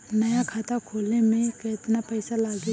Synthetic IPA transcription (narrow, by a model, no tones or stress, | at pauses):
nɐjakʰaːt̪akʰoːlnemẽkɐt̪napɛːsalaːɡi